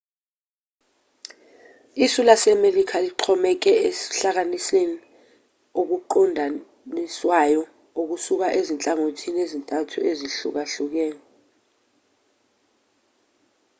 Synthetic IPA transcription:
isulasɛmelikʰaliǃʰɔmɛk̬ɛesi̥ɬak̬aniseni | ok̬uǃɔndʱa | niswajɔ | ok̬usuk̬aʔezint͡ɬʼaŋotʰinezintʼatʰuʔeziɬṵk̬aɬuk̬ɛːŋ

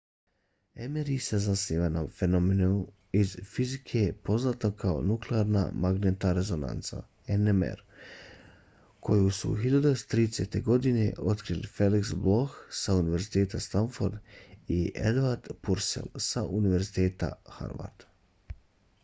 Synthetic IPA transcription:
emeɾisazasniːʋanafenomeneu | izfizikʰepo̞znaːt̪nokʰao̰nukleaːɾna̰maɡneːt̪naɾe̞zo̞na̰nt̪sa̰ | enemḛɾ | kʰo̞jusṵxiʎad̪ust̪ɾiːd̪eset̪e̞ɡo̞d̪ine̞̰ʔo̞t̪kɾilḭfe̞liksblo̞xsauniʋe̞ɾzit̪eːt̪ast̪anfoɾd̪iʔḛd̪ʋaɾd̪̥puɾsḛlsaʔuniʋe̞ɾzit̪eːt̪a̰xa̰ɾʋa̰ɾd̪̥

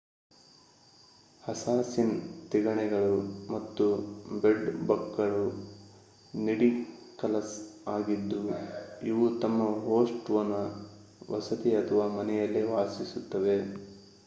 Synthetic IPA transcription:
hɐsaːsint̪iɡɐɳɛɡɐɭumɐt̪ːubeɖbɐkːɐɭu | niɽikɐlɐsaːɡid̪ːuiʋut̪ɐmːɐɦoːsʈʋɐnɐ | ʋɐsɐt̪iɐt̪ʰɐʋaːmɐnɛjɐlːeʋaːsisut̪ːɐʋe̞

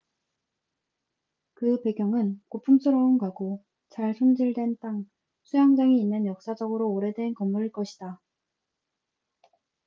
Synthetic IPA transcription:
kɯpe̞ɡjʌŋɯnkopʰumsʰɯɾʌunɡaɡo | t͡ɕaɭsʰond͡ʑiɭdwe̞nt͈aŋ | sʰujaŋd͡ʑaŋiːnːɯnjʌk̚s͈ad͡ʑʌɡɯɾoːɾe̞dwe̞nkʌmːuɾiɭk͈ʌɕʰid̥a

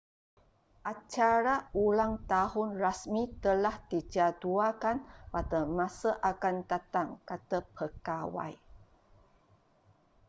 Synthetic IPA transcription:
ʔat͡ʃaɾaulaŋt̪ahunrasmit̪əlahtid͡ʒaduakanpatəmasəʔakant̪at̪aŋkat̪əpʰəkawa̰j

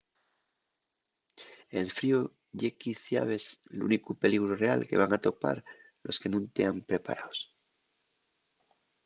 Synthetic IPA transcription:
e̞lfɾio | ʝe̞kiθja̰β̞e̞slṵnikupe̞liɣɾure̞a̰lke̞̰βaŋat̪o̞pa̰ɾ | lo̞ske̞nũnt̪e̞ampɾe̞pa̰ɾaos

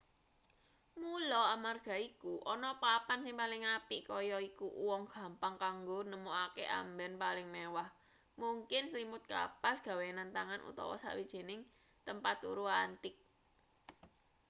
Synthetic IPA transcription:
mulɔamarɡ̥a̤ikuʔɔnɔpapansɪŋpalɪŋapiʔkɔjɔikuwɔŋɡ̥a̤mpaŋkaŋɡonəmoakḛʔa̰mbɛnpalɪŋmewah | muŋkɪnslimʊt̪̚ka̰pasɡ̥ä̤wenant̪aŋanṵt̪ɔ̰wɔ̰sa̰ʔwid̥ʒ̥e̤nɪŋ | t̪əmpat̪ṵɾuant̪ɪk̚

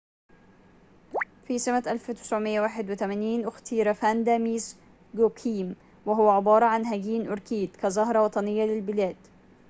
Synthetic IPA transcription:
fiːsamaʔalft̪ɪ̥sʕʊmɪjːawaːħɪd̪wɪt̪amaːniːnʔʊxt̪iːɾafand̪aːmiːs | ɡokʰiːm | waɦʊwaʕɪbɑːɾˤɑʕanɦaɡiːnʔʊɾkiːd̪kazˤɑɦɾˤɑwɑt̪ˤɑnɪjːalɪlbɪlaːd̪

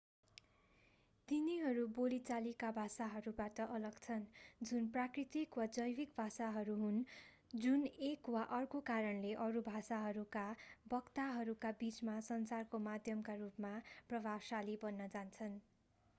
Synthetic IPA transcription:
t̪iniɦʌɾubolit͡salikabʱasaɦʌɾubatʌʔʌlʌɡt͡sʰʌnd͡zunprakrit̪ikwad͡zʌjbikbʱasaɦʌɾuɦun | d͡zunekwaʔʌrkokaɾʌnleʔʌɾubʱasaɦʌɾukabʌkt̪aɦʌɾukabit͡smasʌnsarkomad̪ʱjʌmkarupmaprʌbʱabsalibʌnːʌd͡zant͡sʰʌn

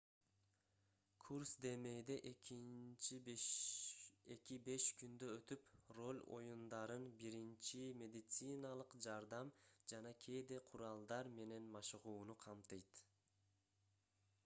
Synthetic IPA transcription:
kʰuɾsd̪e̞me̞jd̪eʔeki | e̞kibe̞ʃkynd̪øøt̪ypro̞lʲo̞̰jund̪ɑɾɯnbiɾint͡ʃimʲe̞d̪ʲit̪sɨnɑlˠɯqd͡ʒɑɾd̪ɑmd͡ʒɑnɑkʰe̞jd̪eqʰuɾɑlˠd̪ɑɾme̞ne̞nmɑʃɯʁuːnuqʰɑmt̪ɯjt̪

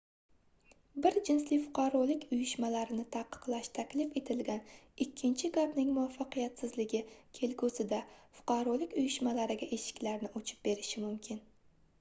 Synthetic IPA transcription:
bɪɾd͡ʒɪnslɪfʊqʰɑɾɒlˠɪkʲʊjɪʃmalaɾɪnɪt̪ʰaqʰːɨ̥qlˠaʃt̪ʰakʲlɪfe̞t̪ʰɪlɡʲan | ɪkʲʰːɪnt͡ʃʰɪɡapnɪŋmʊafːɑqijat̪sɪzlɪɡʲɪkʲʰe̞lkʰosɪd̪afʊ̥qʰɑɾɒlˠɪkʲʊjɪʃmalaɾɪɡʲaʔe̞ʃɪ̥kʲlaɾnɪʔot͡ʃʰɪ̥p̚be̞ɾɪʃɪmʊmkʲʰɪn

